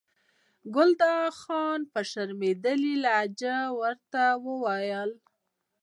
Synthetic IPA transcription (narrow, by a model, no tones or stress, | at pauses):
ɡʊld̪ɑxɑnpəʃaɾmed̪əlilaːd͡ʒawəɾt̪awəwɑjəl